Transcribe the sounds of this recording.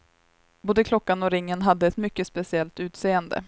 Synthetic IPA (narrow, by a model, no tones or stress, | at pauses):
boːd̪əkʰlɔkːanɔɾɪŋːənɦad̪ːəɛt̪mʏkːəspɛsɪɛlt̪ʉ̟ːt̪seːənd̪ə̰